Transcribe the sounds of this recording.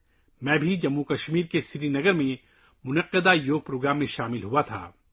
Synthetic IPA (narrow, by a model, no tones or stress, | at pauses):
mɛ̃ːbʱid͡ʒɐmːukɐʃmiːɾkesɪɾinɐɡəɾmẽ | mʊnɐqːəd̪ajoːɡ̚pɾoːɡɾaːmːẽʃaːmɪlɦuat̪ʰa̰ː